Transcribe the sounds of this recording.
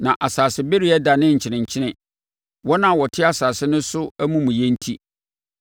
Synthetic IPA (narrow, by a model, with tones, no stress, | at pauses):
nã˨ʔa˨saː˨sɪ˦be˦ɾi˦ɛ˦da˨nɪ̃˦ɲ̩˨t͡ɕʰɪ˨nɪ̃˨ɲ˨t͡ɕʰɪ˦nɪ̃˨ | wɔ˦nã˦˨wɔ˨tʰɪ˦a˨saː˨sɪ˦nʊ̃˦sʊ˦æ˦mũ˦mũ˨jɛ̃˦n̩˦tʰi˦